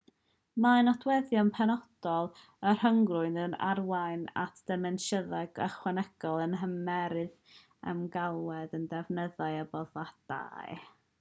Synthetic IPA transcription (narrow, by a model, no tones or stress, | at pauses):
manɔdwɛðjɔnpʰɛnɔd̥ɔlˠ | ər̥həŋɡrʊɨnəna̰rwajna̰tʰd̥ɛmɛnʃəðaɡə̰χwɛnɛɡ̥ɔlˠənɦəmɛɾɨð | ə̰mɡalˠwɛdəndɛvnəðaɨəbɔðad̥a̰ɨ